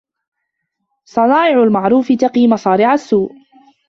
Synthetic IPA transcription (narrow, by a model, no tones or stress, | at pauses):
sˤɑnɑːʔɪʕʊlmaʕɾˤuːfɪt̪ɑqiːmɑsˤɑːɾɪʕasːuːʔ